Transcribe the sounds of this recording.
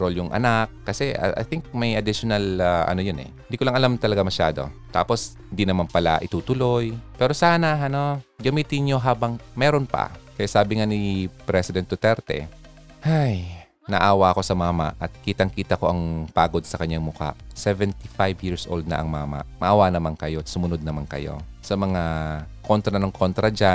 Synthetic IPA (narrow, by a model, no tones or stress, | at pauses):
ɾoljʊŋʔɐ̰nakkːɐsɛ̰ʔa̰jθɪŋk̚mɐjʔɐd̪ɪʃonalaʔɐ̰nojonɛ̰hɪnd̪ikolɐŋʔɐlamt̪ɐlɐɡamɐʃa̰ːd̪o̞̰t̪a̰ːpo̞shɪnd̪inɐmanpɐla̰ʔɪt̪uːt̪ʊlo̞jpɛːɾo̞saːnɐɐno̞ɡɐmiːt̪ɪnɲo̞ɦaːbɐŋmɛːɾonpɐ̰kɐjasaːbɪŋanipɾɛsɪd̪ɛnt̪̚d̪ot̪ɛɾt̪ɛ̰ | haj | nɐʔʔaːwaʔɐko̞sɐmaːma̰ʔʔɐt̪̚kiːt̪ɐŋkiːt̪ɐko̞ʔɐŋpaːɡo̞d̪̚sɐkɐɲːaŋmʊka̰ʔsɛvɛnt̪ifajvjiɹsʔo̰wld̪̚nɐ̰ʔɐ̰ŋma̰ːmɐ̰ʔmɐʔaːwanɐmaŋkɐjo̞sʊmʊnod̪̚nɐmaŋkɐ̰jo̞̰ | sɐmɐŋako̞nt̪ɾɐnoŋkʰo̞nt̪ɾɐd͡ʒa